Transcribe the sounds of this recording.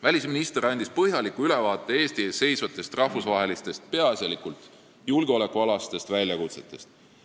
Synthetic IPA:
vælʲisminist̪eɾɑnd̪ispɤɦjɑlikːuyle̞vɑːt̪ːˑe̞e̞ːst̪isːe̞jsvɑt̪ːˑe̞st̪rɑhvusvɑɦe̞list̪e̞st̪̚pe̞ɑsʲɑlikult̪ˑ | julɡeo̞le̞kˑuɑlɑst̪e̞st̪vælʲjɑkut̪set̪ːˑe̞st̪

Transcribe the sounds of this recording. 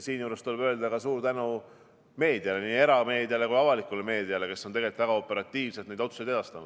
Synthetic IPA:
siːnjuːɾest̪olebøeld̪ɑɡ̥ɑsuːɾt̪ænu | me̞ːd̪iɑle̞niːe̞ɾɑme̞ːd̪iɑle̞kujɑvɑlikːˑule̞me̞ːd̪iɑle̞ke̞sːo̞ne̞ɡelit̪væɡɑo̞pːˑe̞ɾɑt̪ʲːˑiːvse̞lt̪ned̪o̞t̪su̥sed̪e̞d̪ɑst̪ɑnud̥̪

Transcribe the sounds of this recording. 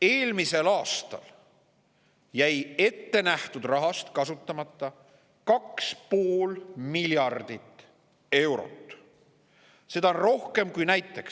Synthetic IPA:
e̞ːlmise̞lɑːst̪ɑ̰l | jæje̞t̪ːe̞næht̪ud̪̥rɑɦɑst̪kɑsut̪ːˑɑmɑt̪ˑːɑ | kɑkspo̞ːlmiljɑrd̪̥it̪ːˑ | e̞wɾo̰t̪ːˑ | se̞d̪̥ɑonro̞hke̞mkujnæjt̪ːˑe̞ks

